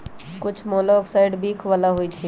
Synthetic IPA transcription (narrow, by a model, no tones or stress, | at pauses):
kʊt͡ʃʰmɔlɔːksaɪɖbiːkʰʋalaɦoit͡ʃʰi